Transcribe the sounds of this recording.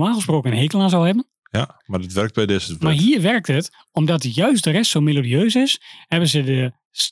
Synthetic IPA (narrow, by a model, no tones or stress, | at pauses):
maːχəsproːkəənɦekəlˠaːnzɔlˠɦɛbən | madətʋɛrk̚bɛjdɛsəmaɦiːəɹʋɛrk̚tət | ɔmdɔtjœɥstdərɛstsowmelodiøːsɪshɛbənzədə | s